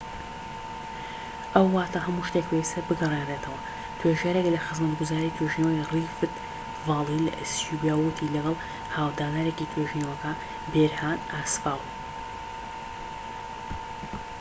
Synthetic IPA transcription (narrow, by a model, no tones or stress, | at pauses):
ʔɐwːaːt̪ʰaɦɐmuʃt̪ek̚beist̪ɐɾbɨɡɐreːnret̪ʰɐwɐ | t̪ʰweʒaɾeklɐxɨzmɐt̪ɡuzaːɾit̪ʰweʒinoirifɨt̪ | vɑːlˠilɐ̰ʔsjubijaːwwɨt̪ʰilɐɡɐlˠ | haːwd̪aːnaːɾekit̪ʰweʒinowɐka | beɾhaːnaːsfaːlˠ